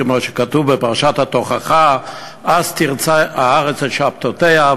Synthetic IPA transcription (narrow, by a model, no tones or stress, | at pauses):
moʃe̥kat̪uvbepaʁaʃat̪hat̪oχaχa | azt̪iʁt͡saaaʁet͡selʃap̚t̪ot̪ea